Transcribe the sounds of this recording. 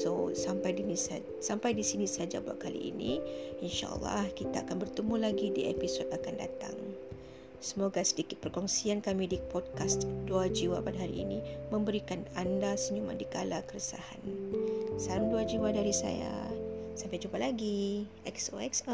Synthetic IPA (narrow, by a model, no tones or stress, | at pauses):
sosampajdinisa | sampajdisinisad͡ʒabua̰ʔ̚kalḭʔːnḭinʃa̰ʔə̰lːɑ̰hkit̪aːkanbərt̪əmulaɡidiʔḛpisɔt̪̚akanda̰t̪a̰ŋ | səmoɡasədikit̪̚pərkɔŋsiankamidipɔd̚kast̪duad͡ʒiwapadaɦaɾḭːnimə̃mbəɾikanandasəɲuma̰ndikalakəɾəsa̰ha̰n | saɾunduad͡ʒiwadaɾisa̰ja̰sampajd͡ʒumpalaɡiʔɛksoɛks